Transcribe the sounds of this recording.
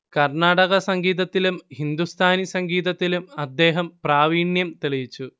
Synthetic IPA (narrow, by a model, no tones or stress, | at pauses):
kɐrɳaːɽɐɣɐsɐŋɡiːðɐt̪ːilumhind̪ust̪ʰaːnisɐŋɡiːðɐt̪ːilumɐd̪ːe̞ːɦɐmpraːʋiːɳjɐmt̪eɭiʋit͡ɕːu